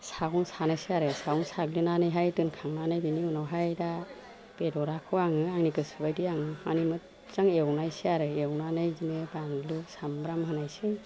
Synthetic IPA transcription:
saɡunsanajsiaɾɯsaɡunsaɡlinanɯjɦajtɯnkʰaŋnanɯjbiniunawɦajda | pedɔɾakʰɯwaŋɯaŋnikɯsɯbajdiaŋmanimɯt̚ | zaŋewnajsiaɾɯewnanɯjzinɯbaŋlusambɾamɦɯnajsi

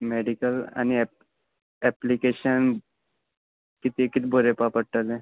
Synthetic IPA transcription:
meːɖikəlɐ̰niɛ | ɛplikeːʃən | kɪt̪ikɪt̪boɾepapəʈəlẽ

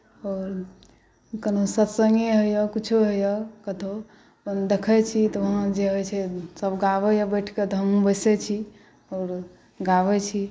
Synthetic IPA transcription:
ɔːɾ | kənosət̪səŋɡeɦəjɔkit͡ʃʰuɦojɔkət̪ʰo | pnd̪ekʰɛt͡ʃʰit̪ɔʋəɦãd͡ʒeɦojt͡ʃʰɛsəbɡaʋejabəʈʰket̪ɔɦəmũbəjsɛt͡ʃʰi | ɔːɾ | ɡaʋɛt͡ʃʰi

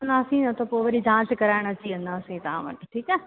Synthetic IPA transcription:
ɐnd̪aːsĩnɐt̪ɐpoːʋɐɾid͡ʑʱãːskɐɾaːɪɽ̃ɐt͡ɕiɐ̃nd̪aːsĩt̪ɐã̰ʋɐ̰ʈʈʰiːkɛː

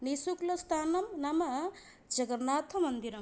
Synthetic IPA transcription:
nisuklɐst̪ʰaːnɐmnamɐ | d͡ʒɐɡɐɾnaːt̪ʰɐmɐnd̪iɾɐm

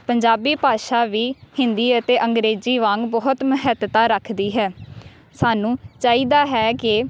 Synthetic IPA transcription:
pəɲd͡ʒaːbiːpaːʃaːʋiːhɪnd̪iːət̪eːʔəŋɡɾeːziːʋãːŋɡbɔːɦʊt̪mʊɦɛːt̪t̪aːɾəkʰd̪iːɦɛː | saːnũːt͡ʃaːiːd̪aːɦɛːkɪ

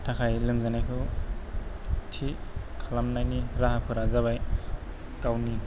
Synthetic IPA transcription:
tʰakʰajlɯmzanajkʰɯw | tʰikʰalamnajniɾaɦapʰɯɾazaβaj | kawni

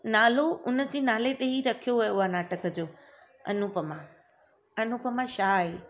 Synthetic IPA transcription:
naːloʔʊnəd͡ʑeːnaːlet̪eɦiɾɐkʰijoɦʊjoʊɦanaːʈəkʰəd͡ʑoː | ɐ̰nʊpəmã | ɐnupəmãʃaːɦeː

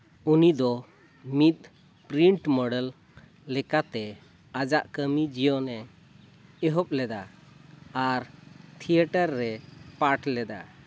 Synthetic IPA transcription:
unid̪ɔ | mit̪̚ | pɾiɳʈmɔɖɛlː | ɛkat̪ɛ | ad͡ʒa̰ʔkəmid͡ʒijɔnɛ | ɛɦɔp̚lɛd̪a | aɾt̪ʰiəʈəɾːɛpaʈlɛd̪a̰

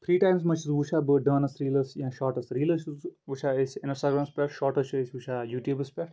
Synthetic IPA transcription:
pʰɾiːʈãːɪms̬mɐt͡ʃʰizʋut͡ʃʰabɨɖəːnɐsɾiːlɐsjãʃɔːʈɐsɾiːlɐsʋut͡ʃʰaesʲɪ̃nsʈaɡɾaːmspɛʈʃɔːʈɐt͡ʃʰuesʲʋut͡ʃʰajuːʈjuːbɐspɛʈ

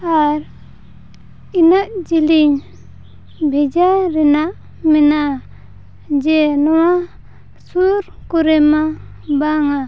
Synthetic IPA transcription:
aɾ | inaʔd͡ʒiliɲ | bʱɛd͡ʒaɾɛnaʔ | mina | d͡ʒɛnɔwa | suɾkuɾɛma | baŋa

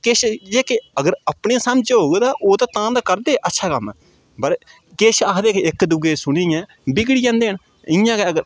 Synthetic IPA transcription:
kɪʃd͡ʒeːkeəɡəɾəpɳẽːsamd͡ʒɦoːɡd̪aːʔoːt̪aːt̪ãːd̪aːkəɾd̪eːʔətːʃʰaːkəmɛː | bəɾ | keːʃaːkʰd̪eːkeɪkd̪ʊɡeːsʊɽiːjɛ̃ː | bɪɡɽiːd͡ʒãːnd̪eːɦəɳ | ɪjãːkeəɡəɾ

